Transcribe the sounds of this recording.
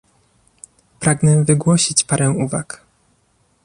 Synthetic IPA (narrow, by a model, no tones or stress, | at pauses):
pɾaɡnɛvɘɡwɔɕit͡ɕpaɾɛw̃uvak